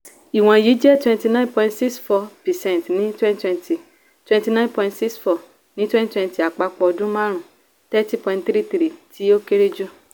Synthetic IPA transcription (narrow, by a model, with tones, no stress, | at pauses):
i˨w̃ɔ̃˨ji˨˦d͡ʒɛ˦˨twɛ̃˧nti˧nã˦npɔ̃˧ĩ˧tsi˦ksfɔ˧pɛ˨sɛ̃˦˨ntnĩ˦twɛ̃˦nttwɛ̃˧nti˨ | twɛ̃˧nti˧nã˦npɔ̃˧ĩ˧ntsi˦ksfɔ˨ | nĩ˨˦twɛ̃˦nttwɛ̃˧nti˨a˨k͡pa˧k͡pɔ˧ɔ˧dũ˦mã˦ɾ̃ũ˨ | tɛ˦ti˦pɔ̃˧ĩ˧tθɾi˦t̪ɾi˦˨tʰi˨˦o˦ke˦ɾe˦d͡ʒu˦